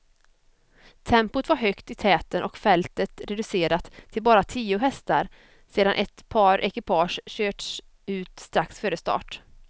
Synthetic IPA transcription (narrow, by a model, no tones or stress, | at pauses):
t̪ʰɛmpʊt̪vaɾɦœkt̪ɪt̪ʰɛːt̪ənʔɔkfɛlt̪ət̪ɾɛd̪ɵseːɾat̪ʰːɪlbɑːɾat̪ʰiːʊɦɛst̪a̰ɾ | seːd̪anʔɛt̪pʰɑːɾʔɛkɪpʰɑːʂɕøːʈs | ʉ̟ːt̪st̪ɾaksføːɾəst̪ɑ̰ːʈ